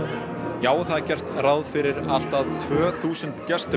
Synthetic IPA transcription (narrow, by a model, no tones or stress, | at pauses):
jaːwθaðcɛr̥t̪rawðfɪɾɪɾal̥t̪aðt̪ʰvœːθuːsʏnt̪cɛst̪